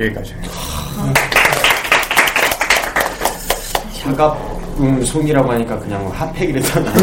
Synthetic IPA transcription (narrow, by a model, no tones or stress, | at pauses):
ek͈ad͡ʑi | sʰaɡapɯnsʰoɲiɾaɡoɦaɲik͈akɯɲaŋhapʰeɡiɾet͡ɕʰana